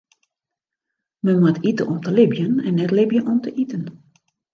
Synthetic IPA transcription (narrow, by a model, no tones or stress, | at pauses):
mənmwətitə̰ʔɔmtəlɪbjənɛ̰nːɛtlɪbjənʔɔmtʰəʔitən